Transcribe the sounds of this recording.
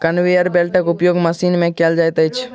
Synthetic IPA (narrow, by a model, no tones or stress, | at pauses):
kənʋijəɾbelʈəkupjoɡməsinmẽkeld͡ʒajt̪əjt͡ʃʰ